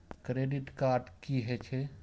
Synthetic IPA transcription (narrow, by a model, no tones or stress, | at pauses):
kɾeːɖɪʈkaːɾɖkiɦɛt͡ʃʰɛ